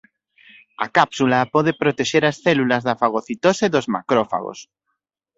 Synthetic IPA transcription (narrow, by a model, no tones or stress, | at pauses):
a̰kapsulapɔðepɾot̪eʃeɾasθɛlulazðɐfaɣ̞oθit̪oseðozma̰kɾofa̰ɣo̰s